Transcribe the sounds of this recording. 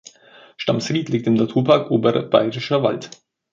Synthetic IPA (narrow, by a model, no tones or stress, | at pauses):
ʃtamsʁiːtliːk̚tɪmnatʰuːɐpʰaɐkʔoːbəʁɐ̰b̥a̰ɪʁɪʃɐva̰lt